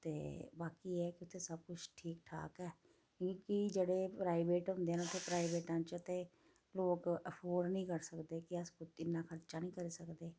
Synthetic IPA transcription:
t̪ḛːbaːkiːɛːkɪʊt̪ʰːeːsəb̚kʊt͡ʃʰʈʰiːkʈʰa̰ːkɛ̃ː | ikid͡ʒeːɽeːpɾaːɪbeːʈɦʊ̃nd̪eːɛːnʊt̪ʰːeːpɾaːibeːʈãːt͡ʃət̪ẽː | loːkəpʰoːɾnĩːkəɾsəkd̪eːkiəskʊɪnːãːkʰəɾt͡ʃaːnĩːkəɾiːsəkd̪eː

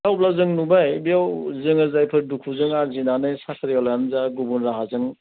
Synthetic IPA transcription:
awplazɯŋnubajbijawzɯŋɯzajpʰɯɾdukʰuzɯŋaɾzinanɯjsakʰaɾjalaanzaɡubunɾaɦazɯŋ

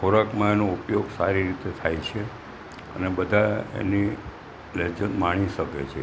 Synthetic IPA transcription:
kʰoɾəkmãenoupjoɡsaɾiɾit̪et̪ʰajt͡ʃʰe | ə̰nebəd̪ʱaḛni | led͡ʒənmaɽ̃iʃəket͡ʃʰḛ

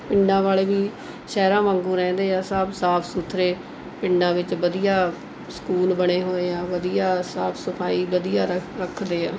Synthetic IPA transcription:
pɪɳɖãːʋaːleːʋiː | ʃɛːɾãːmãːŋɡuːɾɛ̃ːnd̪eːaːsəbsaːpʰsuːt̪ʰɾeː | pɪɳɖãːʋɪt͡ʃʋəd̪ijaː | sə̥kuːlbəɽ̃eːɦoːeːaːʋəd̪ijaːsaːpʰsəpʰaːiːbəd̪ijaːɾəkʰd̪eːaː

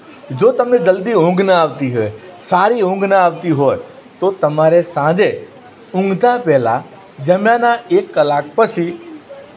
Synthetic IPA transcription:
d͡ʒot̪əmned͡ʒəld̪iʊ̃ŋɡnəaʋt̪iɦoesaɾiʊ̃ŋɡnəaʋt̪iɦoe | t̪ot̪əmaɾesãd͡ʒe | ʊ̃ŋɡt̪apɛɦla̰ | d͡ʒəmjanaʔekːəlak̚pət͡ʃʰi

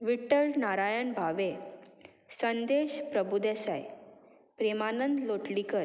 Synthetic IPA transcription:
ʋiʈːəlnaɾajənbʱaʋe | sənd̪eɕpɾəbud̪esa̰j | pɾemanənd̪loʈlikəɾ

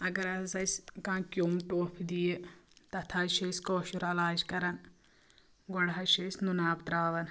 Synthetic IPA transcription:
ɐɡɐɾɐzɐskãːkʲjoːmʈoːpʰd̪ijet̪ɐt̪ʰaːʃeskoːʃuɾɐlaːd͡ʒkɐɾɐn | ɡɔɽɦɐʃesnunaːpt̪ɾaːʋɐn

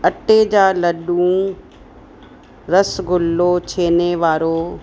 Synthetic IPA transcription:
ɐʈed͡ʑaːlɐɗũ | ɾɐsɡʊlːot͡ɕʰeːneʋaːɾoː

